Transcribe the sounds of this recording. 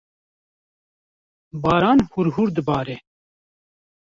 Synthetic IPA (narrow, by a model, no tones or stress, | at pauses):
bɑːɾɑːnhuɾhuɾd̪ɨbɑːɾɛ